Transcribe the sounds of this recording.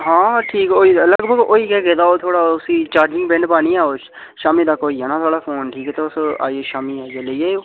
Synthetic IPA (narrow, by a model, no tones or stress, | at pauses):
ɦãːʈʰiːkoːiːləɡbʱəɡoːiːkɛːɡeːd̪aːoːt̪ʰoːɽaːʊsĩːt͡ʃaːɾd͡ʒɪ̃ŋɡbɛɳɖpaːniːɛːoːt͡ʃ | ʃaːmiːd̪aːkoːiːɛːnãːt̪ʰaːɽaːpʰoːnʈʰiːkɛːt̪eːʊsa̰ːieːʃaːmiːaːieləiːeːoː